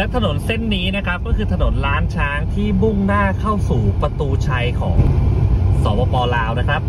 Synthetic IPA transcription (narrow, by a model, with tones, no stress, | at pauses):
lɛ˦˥wt̪ʰa˧no˩˦nse˥˩nːiː˦˥na˦˥kʰa˦˥p̚kɔː˥˩kʰɯː˧t̪ʰa˧no˩˦nɾaː˦˥nt͡ɕʰaː˦˧˥ŋt̪ʰiː˥˩bu˥˩ŋnaː˥˩kʰa˥˩wsuː˨˩pɾa˧t̪uː˧t͡ɕʰa˦˥jkʰɔ̰ː˩˦ŋ | sɔː˩˦pʰɔː˧pɔː˧laː˧˥wna˦˥kʰɾa˦˥p̚